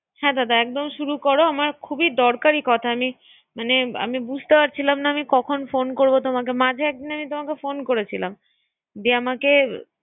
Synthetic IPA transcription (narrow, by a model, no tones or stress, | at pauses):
hɛ̃t̪at̪aɛk̚d̪omʃuɾukɔɾoamaɾkʰubid̪ɔɾkaɾikɔt̪ʰaami | manea̰mibud͡ʑʱt̪epaɾt͡ɕʰilamnaamikɔkʰonfonkoɾbot̪omakemad͡ʑʱeɛk̚d̪inamit̪omakefonkoɾet͡ɕʰila̰m | d̪iamake